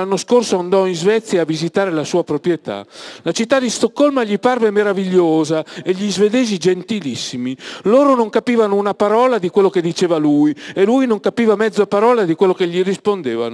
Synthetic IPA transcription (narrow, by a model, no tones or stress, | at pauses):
anːoskorsoand̪ɔinzvɛt̪sːjaːvizit̪aːɾelasuːapɾopɾjɛt̪a̰lat͡ʃit̪ːad̪ist̪okːɔlmaʎiparvemeɾaviʎːoːzaeʎːizved̪eːzid͡ʒent̪ilisːimiloːɾonoŋkapiːvanounapaɾɔːlad̪ikwelːoked̪ːit͡ʃɛːvaluiɛlujnoŋkapiːvamɛd̪zːoapaɾɔːlad̪ikwelːokeʎirispond̪ḛːva̰no